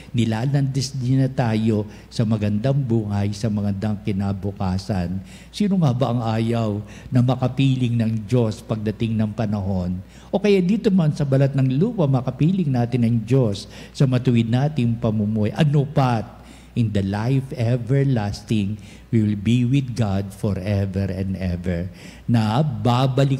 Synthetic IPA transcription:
nɪlaːlɐnd̪ɛsd̪ɪnɐt̪aːjo̞ | sɐmɐɡɐnd̪aŋbuːhɐjsɐmɐɡɐnd̪aŋkɪnabʊkaːsɐn | siːnoŋabɐʔɐŋʔaːjɐw | nɐmɐkɐpiːlɪŋnɐŋd͡ʒo̞spɐɡ̚d̪ɐt̪ɪŋnɐŋpɐnɐɦo̞n | ʔo̞kɐjaʔd̪iːt̪omɐnsɐbɐlat̪̚nɐŋluːpɐmɐkɐpiːlɪŋnaːt̪ɪnɐŋd͡ʒo̞sːɐmɐt̪ʊwɪd̪̚naːt̪ɪŋpɐmumuhɛʔɐnopat̪̚ | ʔɪnd̪ɐlajfɛvɛɹlast̪ɪŋ | wiwɪlbiwɪd̪̚ɡad̪foɹʔɛvɛɹɛnd̪ɛvɛɹ | nɐbabɐlɪ

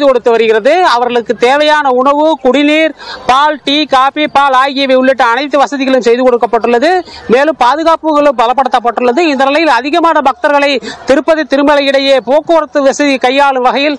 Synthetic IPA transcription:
ðɯkɔɽɯt̪ːɯʋɐɾɯɣɪrɐðɯɐʋɐɾɣɐɭɯkːɯt̪eːʋɐjaːnɐʊɳɐʋɯkʊɽɪniːɾpaːlʈiːkaːpipaːlaːjɣɪjɐʋɐɪʊɭːɪʈːɐɐnɐɪt̪ːɯʋɐsɐðɪɣɐɭɯmsɛjðɯkɔɽɯkːɐpːɐʈːɯɭːɐðɯmeːlɯmpaːðɯɣaːpɯɣɐɭɯbɐlɐpːɐɽɯt̪ːɐpːɐʈːɯɭːɐðɯɪnd̪ɐnɪlɐjɪlɐðɪɣɐmaːnɐbɐk̚t̪ɐɾɣɐɭɐɪt̪ɪɾɯpːɐðɐɪt̪ːɪɾɯmɐlɐɪɽɐjeːpoːkːɯʋɐɾɐt̪ːɯʋɐsɐðikɐjːaːɭɯmʋɐɣɐjɪl

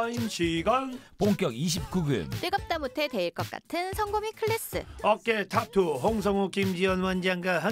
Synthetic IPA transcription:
imɕʰiɡʌnpoŋk͈jʌɡiɕ̬ʰip̚k͈uɡɯ̰mtweɡʌp̚t͈amutʰete̞iɭk͈ʌk̚k͈a̰tʰɯnsʰʌŋɡomikʰɯɭːes͈ɯ̰ʌk͈etʰap̚tʰuɦoŋs̬ʰʌŋokimd͡ʑiwʌnwand͡ʑaŋɡaɦa

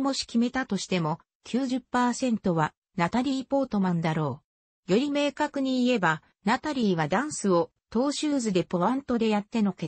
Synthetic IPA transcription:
mo̞ɕi̥kʲime̞t̪at̪o̞ɕi̥t̪e̞mo̞ | kʲɨːʑɨpːaːsẽ̞nt̪o̞βa | nat̪aɾʲiːpo̞ːt̪o̞mand̪aɾo̞ː | jo̞ɾʲime̞ːkakɯ̟ɲ̟iːe̞ba | nat̪aɾʲiːβad̪ãɰ̃sɨo̞ | t̪o̞ːɕɨːzɨd̪e̞poβãnt̪o̞d̪e̞jat̪ːe̞no̞ke

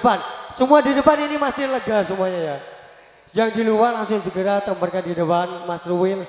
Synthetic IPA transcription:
əpansəmuadidəpaninimasɪhləɡasəmuaɲaja | d͡ʒaŋdiluwalaŋsʊŋsəɡəɾat̪əmbərkadidəpanmasruwɪl

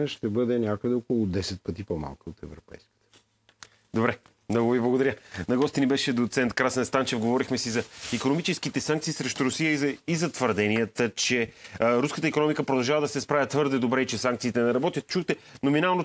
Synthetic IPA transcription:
ɛʃt̪ɛbəd̪ɛnʲakəd̪ɛokolˠʊd̪ɛsɛt̪̚pət̪ipoma̰lˠkəot̪ɛvɾopɛ̰jskə̥t̪ə̥ | d̪obɾɛ | mnɔɡʊviblˠɡod̪ɐɾənɐɡɔst̪inibɛʃɛd̪ot̪sɛnt̪̚kɾasənst̪ant͡ʃɛfɡovɔɾixmɛsizɐikonomit͡ʃɛskit̪ɛsãŋkt̪siːsɾɛʃt̪uɾʊsijəizɐt̪vəɾd̪ɛniət̪ət͡ʃɛɾuskət̪əikonɔmikəpɾod̪ɐlˠʒavəd̪ɐsɛspɾavʲjət̪vɤɾd̪ɛd̪obɾɛit͡ʃɛsaŋk̚t̪siːt̪ɛnɛɾɐbɔt̪jət̪t͡ʃuxt̪ɛnominalˠno

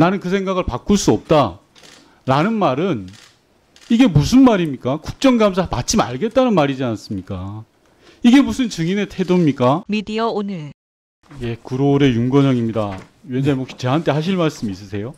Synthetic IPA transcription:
nanɯnkɯs̬ʰe̞ŋɡaɣɯɭpak͈ʰuɭs͈uʌp̚t͈a | ɾanɯnmaɾɯn | iɡe̞musʰɯnmaɾimɲik͈akuk̚t͡ɕ͈ʌŋɡamsʰama̰t͡ɕ͈ima̰ɭɡe̞t̚t͈anɯnmaɾid͡ʑians͈ɯmɲik͈a | iɡe̞musʰɯnt͡ɕɯŋinetʰe̞domɲik͈amidiaonɯɭ | je̞kuɾoɾe̞juŋɡʌɲʌŋimɲida | ɥend͡ʑaimokɕit͡ɕe̞ɦant͈ʰe̞ɦaɕ̬ʰiɭmaɭs͈ɯmis͈ɯsʰe̞jo

